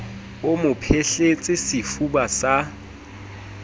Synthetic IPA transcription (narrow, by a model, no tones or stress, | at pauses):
ʊmʊpʰeɬet͡sʼɪsɪfubasa